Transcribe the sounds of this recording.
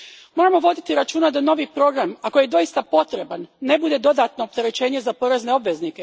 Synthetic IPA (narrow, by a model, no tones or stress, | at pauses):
mo̞ɾamo̞ʋo̞d̪it̪iɾat͡ʃuːnad̪ano̞ʋipɾo̞ːɡɾamako̞jed̪o̞ist̪apo̞t̪ɾe̞banːe̞bud̪e̞d̪o̞d̪at̪no̞ːp̚t̪e̞ɾe̞t͡ɕe̞ːɲe̞zapo̞ɾe̞zne̞o̞bʋe̞znike̞